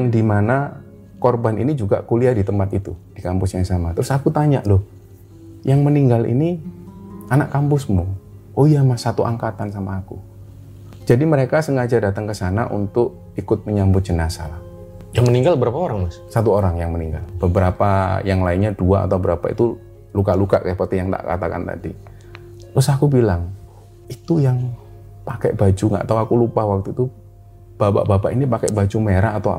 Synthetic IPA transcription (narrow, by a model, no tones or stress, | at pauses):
aŋdimana | korbaninid͡ʒuɡa̰kuliadit̪əmpat̪it̪ud̥ikampʊsjaŋsamat̪əɾʊsakut̪aɲa̰ʔdʊh | jaŋməniŋɡalḭni | anaʔkampʊsmu | ojamasat̪uʔa̰ŋkat̪ansamaːkṵ | d͡ʒadiməɾekasəŋad͡ʒadat̪əŋkəsana̰ʔṵnt̪ʊk̚ | ikʊt̪̚məɲambʊt̪̚d͡ʒənasa̰lah | jaŋməniŋɡalbəɾapaoɾaŋmassat̪̬uoɾaŋjaŋməniŋɡalb̥əbəɾapa̰jaŋlaɪnɲaduaa̰t̪awbəɾapaḭt̪u | lukalukaʔkajpərt̪ijaŋt̪a̰ʔka̰t̪aka̰nt̪a̰dḭ | ɾʊsakubilaŋ | it̪ujaŋ | pakɛ̰ʔbad͡ʒuŋɡa̰ʔt̪awakulupahwak̚t̪uit̪u | b̥apa̰ʔbapaʔinipakɛʔbad͡ʒumeɾaːt̪awa̰